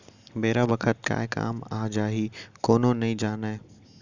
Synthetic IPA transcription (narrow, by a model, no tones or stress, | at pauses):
beːɾabɐkʰət̪̚ka̰ːeka̰ːmaːd͡ʒaːɦiːkoːnõnɐĩd͡ʒaːnaːẽ